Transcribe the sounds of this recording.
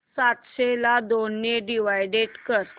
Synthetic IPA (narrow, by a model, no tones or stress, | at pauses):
sat̪ɕelad̪onːeɖiʋajɖeʈkəɾt̪